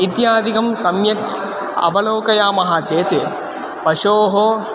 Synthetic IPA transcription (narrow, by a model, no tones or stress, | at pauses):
it̪jaːd̪ʱikɐmsɐmjɐt̪ | ɐ̰bɐloːkɐjaːmɐɦaːt͡ʃeːt̪e | pɐʃoːɦo